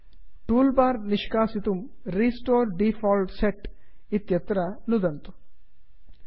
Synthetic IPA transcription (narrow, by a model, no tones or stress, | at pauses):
ʈuːlbaːɾnɪʃkaːsit̪um | ɾiːsʈoːɾɖiːfʰɔːlɖseʈ | it̪jɐt̪ɾanud̪ɐnt̪u̥